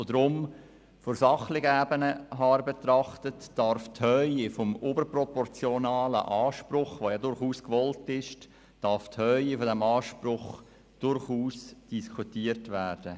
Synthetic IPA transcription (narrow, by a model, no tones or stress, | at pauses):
od̪ɾʊm | fɔɾsɑχlɪɡəæbənəɦɑːɾbetrɑχtətd̥ɑɾfthœʏifɔmobəɾprɔpɔɾt͡sjɔnɑːlə̰ʔɑːʃpɾʊχʋojɑdʊɾχuːskʋɔltɪʃ | d̥ɑɾfthœʏifɔdɛmɑːʃpɾʊχ | d̥ʊɾχuːsd̥iskʰutiːətvæːrd̥ə